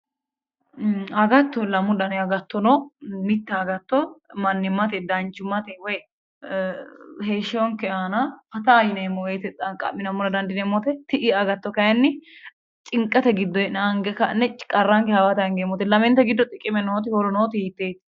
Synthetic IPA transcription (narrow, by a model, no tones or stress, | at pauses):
ɐɡɐt̪ːɔlɐmːʊd̪ɐnɐɡɐt̪ːɔnɔmɪt̪ːɐːɡɐt̪ːɔmɐnːɪmːɐt̪ɛd̪ɐnt͡ʃːʊmːɐt̪ɛwɔj | heːʃɔŋkɛaːnɐfɐt̪ɐːjɪnɐɛmːɔwɛjt̪ɛt͡sʼːɐkʼɐ̰mːɪnɐmːʊnɐd̪ɐnd̪ɪnɛmːɔt̪ɛt̪ɪʔɪɐɡɐt̪ːɔkɐjɐnːɪ | t͡ʃʼɪŋkʼːɐt̪ɛɡɪd̪ːɔɛnɐŋɡɛkɐnːɛt͡ʃkʼɐrːaŋkɛhɐwat̪ɐɐŋɡɛmːɔt̪ɛlɐmɛnt̪ɛɡɪd̪ːɔt̪ʼɪkʼːɪmɛnoːt̪̬ɪhɔlɔnoːt̪ɪiːt̪ːeːt̪